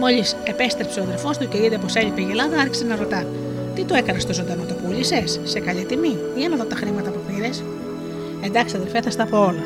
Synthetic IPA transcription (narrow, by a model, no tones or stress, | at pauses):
mo̞ʎise̞pe̞st̪ɾepseoðelfo̞st̪uceiðep̬o̞seʎipeʝelɐðɐɐɾçi̥senɐɾot̪ɐn | t̪it̪oe̞kɐnɐst̪o̞zod̪ɐnot̪opuʎisesːe̞kɐʎit̪imi | iɐnɐðot̪ɐxɾimɐt̪ɐpupiɾes | e̞nd̪ɐksiɐðelfeθɐst̪ɐpoolɐ